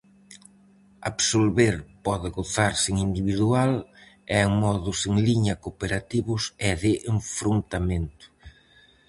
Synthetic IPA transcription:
a̰βsolβeɾpɔðɪɣoθaɾsɪŋind̪iβiðualɛŋmɔðʊseŋliɲɐkopeɾat̪iβʊsɛðɪʔeɱfɾont̪ament̪ʊ̥

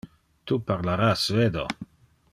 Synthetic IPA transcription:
t̪upaɾlaɾasːved̪o̰

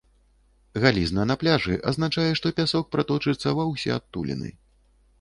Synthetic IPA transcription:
ɣalʲiznɐnaplʲaʐɨʔɐ̰zn̪at͡ʂajɛʂt̪ɔpʲasɔk̚pɾat̪ɔt͡ʂɨt̪sːɐvɐwsʲɛ̰at̪ːulʲḭnɨ̰

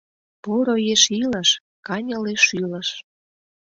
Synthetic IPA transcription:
poɾojeʃilə̆ʃ | kɑnʲə̆leʃyləʃ

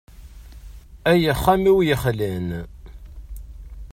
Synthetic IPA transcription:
æjəχːæmiwjəχlæn

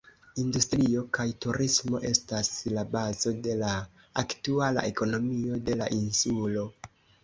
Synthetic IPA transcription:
industɾio̞kajtuɾismo̞̰ʔe̞staslabazo̞de̞laː | ktuala̰ʔe̞ko̞no̞mio̞de̞laʔinsulo̞

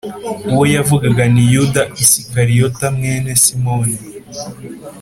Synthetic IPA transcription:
uwojavuɡaɡanijudaisikaɾijotamŋeːne̞simoni

